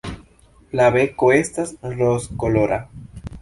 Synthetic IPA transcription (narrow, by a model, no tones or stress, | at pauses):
laβekoest̪asroskoloɾʔa